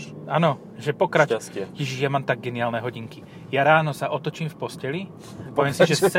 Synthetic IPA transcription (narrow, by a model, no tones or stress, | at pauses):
aːnɔ | ʒɛpɔkɾat͡ʃciʒijamaːmt̪aɡ̚ɡɛniaːlnɛɦɔɟiŋki | jaɾaːnɔsaʔɔt̪ɔt͡ʃiːmfpɔscɛli | pɔʋɪɛmsiʒɛt͡sɛ